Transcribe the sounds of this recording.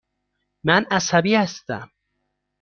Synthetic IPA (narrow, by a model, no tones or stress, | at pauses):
mænæsæbiːhæst̪æ̰m